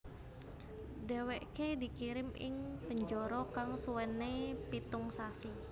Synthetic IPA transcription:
dɛwɛʔkedikiɾɪmɪ̰ŋpəɲd͡ʒɔɾɔkaŋsuwɛnːepit̪ʊŋsasi

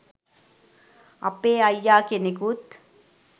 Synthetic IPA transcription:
ɐ̰peːɐjːaːkenekut̪

